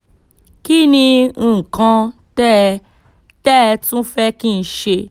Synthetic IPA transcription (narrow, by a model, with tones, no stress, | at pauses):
ki˦nĩ˧ũ˦˨kã˧tɛ˦ | tɛ˦˧tũ˦fɛ˦kĩ˦˧˦ʃe˧